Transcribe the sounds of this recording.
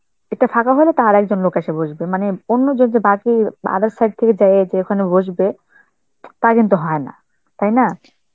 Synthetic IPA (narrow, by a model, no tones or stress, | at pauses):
eʈafʰakaɦolet̪aɾɛk̚d͡ʑonlokaʃebod͡ʑbemaneonːod͡ʑond͡ʑebakia̰d̪aɾsajɖ̚t̪ʰeked͡ʑajed͡ʑeekʰonebod͡ʑbe | t̪akint̪uɦɔena̰ | t̪ajna